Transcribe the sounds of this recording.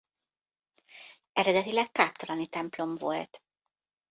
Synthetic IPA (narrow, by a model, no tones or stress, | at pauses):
ɛɾɛd̪ɛt̪ilɛkːaːpt̪ɒlɒnit̪ɛmplo̞mvo̞̰lt̪